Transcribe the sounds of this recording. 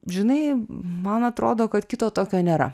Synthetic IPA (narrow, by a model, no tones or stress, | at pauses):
ʒʲɪnɐɪmɐnɐt̪ɾoːd̪oːkɐt̪kʲɪt̪oːt̪oːkʲoːnʲeːɾɐ̰